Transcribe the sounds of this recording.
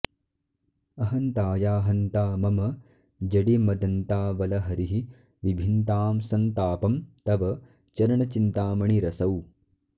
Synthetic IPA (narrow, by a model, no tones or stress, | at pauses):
ɐɦɐnt̪aːjaːɦɐnt̪aːmɐmɐ | d͡ʒɐɽimɐd̪ɐnt̪aːʋɐlɐɦɐɾiɦi | ʋibʱint̪aːmsɐnt̪aːpɐmt̪ɐʋɐ | t͡ʃɐɾɐɳɐt͡ʃint̪aːmɐɳiɾɐsɐw